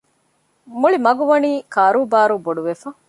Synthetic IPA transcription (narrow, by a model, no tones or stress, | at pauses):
muɭimɐɡuʋɐniːkaːɾuːbaːɾuːboɖuʋefɐ